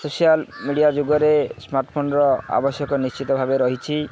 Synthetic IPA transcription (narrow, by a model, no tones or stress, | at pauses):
sosijalmiɽiad͡ʒoɡɔɾesmaɾʈpʰonɔɾɔa̰bɔsjɔkɔnist͡ʃit̪ɔbʱabeɾɔɦit͡ʃʰi